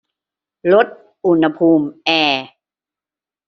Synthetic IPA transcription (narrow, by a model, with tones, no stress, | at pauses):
lo˦˥t̪̚ | ʔu˧˩nha˧pʰuː˧mʔɛː˧˩